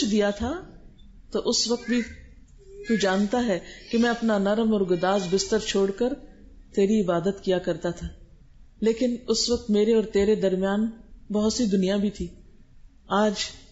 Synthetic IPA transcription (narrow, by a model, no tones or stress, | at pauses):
d̪ijat̪ʰaː | t̪oʔʊsʋɐk̚t̪̚bʱi | t̪ud͡ʒaːnt̪aɦɛːkemɛ̃ɐpnanɐɾəmɔːɾɡʊd̪aːzbɪst̪əɾt͡ʃʰoːɽkəɾt̪eːɾiɪbaːd̪ət̪kijakɐɾt̪at̪ʰaː | leːkɪnʊsʋɐk̚t̪meːɾeɔːɾt̪eːɾed̪ɐɾmɪjaːnbɐɦʊt̪sid̪ʊnijabʱit̪ʰiː | aːd͡ʒ